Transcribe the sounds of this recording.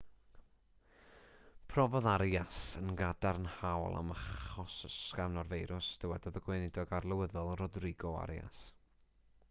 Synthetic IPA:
pʰrɔvɔðaɾjasənɡadarnhawlˠa̰məχɔsəskavnɔrvejɾʊsd̥əwɛdɔðəɡwenɪdɔɡarlˠəwəðɔlˠrodrɪɡɔa̰ɾja̰s

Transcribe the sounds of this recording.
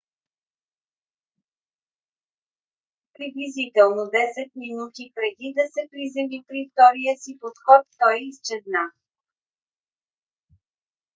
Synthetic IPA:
pɾiblizit̪ɛlˠnod̪ɛsɛt̪̚minut̪ipɾɛd̪id̪ɐsɛpɾizɛvipɾift̪ɔɾijəsipot̪xɔt̪ːɔjist͡ʃɛd̪na

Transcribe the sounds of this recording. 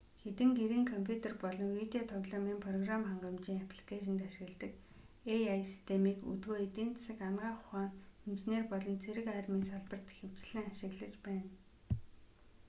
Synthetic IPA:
xet̪ɘ̆ŋɡeɾiːŋkʰɔmpʰjut̪ʰerpɔɮɞ̆ŋwit̪eɔt̪ʰɔɣɮɔːmiːmpʰrɔɣramχaɴɢɞ̆mt͡ɕiːŋapʰɮi̥kʰaʃ̬ɪ̆nt̪aʃɪ̆ɣɘ̆ɮt̪ə̆k | ejajsi̥st̪ʰemiːkṵt̪ɡoːet̪iːnt͡s̪ʰḁsɘ̆kamɢaːχʊχaːŋxent͡ɕneːrpɔɮɞ̆nt͡sʰeɾɘ̆kaːrmiːnsaɮpə̆r̥t̪xɘ̆w̥t͡ɕɮɘ̆ŋaʃɪ̆ɣɮə̆t͡ɕpæːn

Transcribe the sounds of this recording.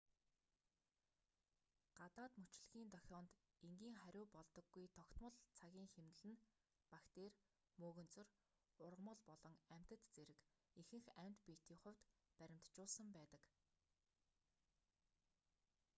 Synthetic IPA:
ɢ̥at̪aːt̪mɵt͡ɕɮɣiːnt̪œxʲɔːnt̪ | eŋɡʲiːŋχæɾʲʊːpɔɮt̪ɞ̆ɡːujt̪ʰɔkt̪mə̆ɮt͡sʰaɣʲiːŋxemt̪ɘ̆ɮɘ̆n | pakt̪eːr | moːɣɵ̆nt͡sɵ̆r | ʊrʁə̆mə̆ɮpɔɮɞ̆ŋæm̥ʲt̪ə̆t̪t͡seɾɘ̆k | ixɘ̆ŋxæm̥ʲt̪pit̪iːŋχʊ̟w̥ʲt̪pæɾʲɪ̆m̥t̪t͡ɕʊːɮsə̆mpæːt̪ə̆k

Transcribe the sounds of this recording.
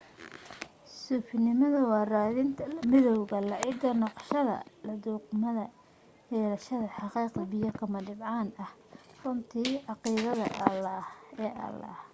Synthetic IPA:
suːfɪnɪmɐðɐwɑːraːðɪnt̪ʰɐlɐmɪðɔwɣɐlɐʕɪɡɐnɑqʃɐðɐ̰lɐðuːqmɐðɐ | jɛːlɐʃɐðɐħɑqiːqɐbɪjɐkʰɐmɐɖɪbʕɑːnɐh | rʊnt̪ʰiːʕɑqiːðɐðɐ̰ʔɐlːɐhɛːʔɐ̰lɐ̰ːh

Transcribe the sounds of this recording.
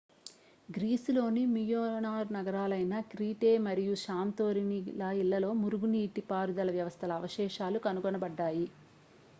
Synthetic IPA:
ɡɾiːslo̞ːnimijoːnaːɾnɐɡɐɾaːlɐjnɐkɾiːʈeːmɐɾijuʃaːmt̪oːɾinilɐilːɐlo̞ːmuɾuɡuniːʈːipaːɾud̪ɐlɐʋjɐʋɐst̪ʰɐlɐːʋɐʃɛːʃaːlukɐnuɡɔnɐbɐɖːaːji

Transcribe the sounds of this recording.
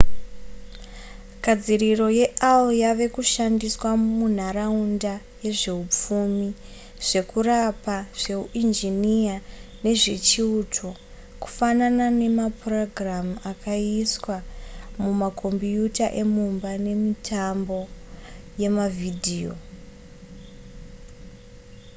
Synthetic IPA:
kad͡ziriro̞je̞ʔalwjaʋe̞kuʃandiswamun̤aɾaunda | je̞ʐe̞up͡fumi | ʐ̥e̞kurapaʐ̥e̞uʔind͡ʒiniane̞ʐe̞t͡ʃiutʰo̞ | ku̥fananane̞maproɡramakʰaiswamumakʰo̞mbijutaʔe̞mumbane̞mitʰambo̞ | je̞mavidʱiːo̞̰

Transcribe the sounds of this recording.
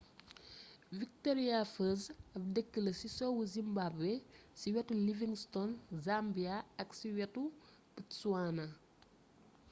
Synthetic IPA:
vik̚tɔɾijafəzɐp̚dəkːəlɐsisɔwuzimbabwesiwɛtːuliviŋstɔnzambiaɐksiwɛtu | bitsuanɐ

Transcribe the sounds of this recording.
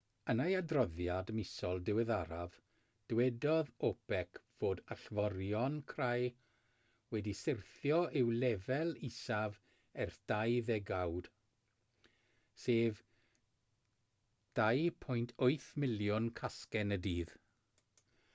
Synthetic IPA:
ənajadrɔðjadmɪsɔlˠdɪwɛðaɾav | d̥wɛdɔðopɛkʰv̥oːdaɬvɔɾjɔnkʰraj | wɛdisɪrθjɔʔɪwlɛvɛlˠisav | ɛrd̥ajðɛɡawd̥ | seːv | d̥ajpʰʊjntʰoɨθmɪljʊnkʰaskɛnədiːð

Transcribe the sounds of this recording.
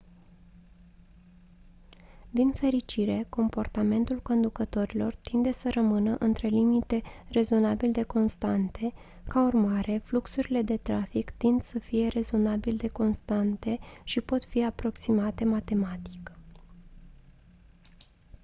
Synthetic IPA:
d̪infe̞ɾit͡ʃiɾe̞ko̞mpo̞rt̪ame̞nt̪ulko̞nd̪ukət̪o̞ɾilo̞rt̪ind̪e̞səɾəmɨnəʔɨnt̪ɾe̞limit̪e̞re̞zo̞nabild̪e̞ko̞nst̪ant̪ʰe̞ | kaurmaɾe̞fluksuɾile̞d̪e̞t̪ɾafikt̪ind̪səfije̞ɾe̞zo̞nabild̪e̞ko̞nst̪ant̪e̞ʃipo̞t̪fiapɾo̞ksimat̪e̞mat̪e̞mat̪i̥k

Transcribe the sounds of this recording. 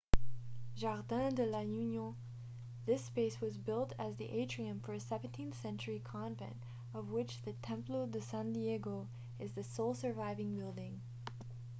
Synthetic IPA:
ʒɑʁdæ̃d̪əlajʉnjɔ̃ | ðɪspeɪswʌzbɪlˠtɨzðiʔeɪtʰɹ̥iɨ̃ɱfə˞ɨsɛṽntʰĩnθsɛ̃nt͡ʃə˞ikʰɑ̃nvɛ̰̃nt | ʌvwɪt͡ʃðɨtʰɛ̃mplodɨsæ̃ndiɛɡoʊ | ɨzðɨsoʊlˠsə˞vaɪvɪ̃ŋbɪlˠdɪ̃ŋ

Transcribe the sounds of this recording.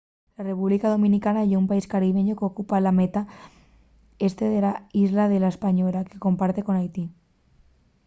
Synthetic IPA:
lare̞puβlikaðo̞mĩnikanajumpaiskaɾiβ̞e̞ɲo̞keokupalame̞t̪a | e̞st̪eðe̞laizlaðe̞laespaɲo̞lakeko̞mpaɾt̪e̞ko̞najt̪i

